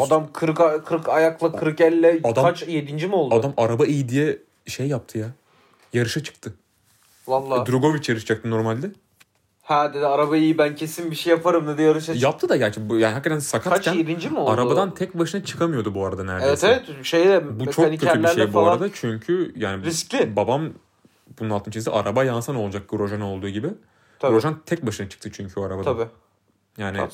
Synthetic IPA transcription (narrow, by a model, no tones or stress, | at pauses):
ad̪amkʰɯɾkakʰɯɾkajaklˠakʰɯɾkɛlʲːɛad̪aat͡ʃjed̪ind͡ʒimolˠdadʊamaɾabaijid̪ijɛ | ʃejːap̚t̪ʰɯja | jaɾɯʃat͡ʃʰɯ̥kt̪ʰɯ | valˠːad̪ɾoɡo̞vit͡ʃjaɾɯʃd͡ʒak̚t̪ʰɯno̞ɾmalʲd̪ɛ | hɛd̪ed̪iaɾabaijibæncʰe̞sinbiʃejapʰaɾɯmnɛd̪ɛjaɾɯʃ̬ajap̚t̪ʰɯd̪ajat͡ʃ̪ʰbjaːnihakːat̪ʰænsakʰat̪cæniɾind͡ʒimoaɾabad̪ant̪ʰɛc̚baʃɯnat͡ʃʰɯ̥kʰamɯjo̞d̪ubuaɾad̪anæɾdeveɛst̪evɛt̪ʃejd̪ɛbumet͡ʃʰoanikːøt̪ːʰɾylb̪ʲæɾlejfbuaɾad̪at͡ʃʰyɲcʰyjaːnɪɾisclʲɪbabam | bununalˠt̪ʰɯnt͡ʃʰeisḭʔaɾabajansano̞lˠd͡ʒak̚ɡɾo̞ʒano̞lˠd̪uːɟibɪ | ɾoʒant̪ʰɛc̚baʃɯnat͡ʃʰɯ̥k̚t̪ʰɯt͡ʃʰyɲcʰyoaɾabad̪ʰab | jaːnɪ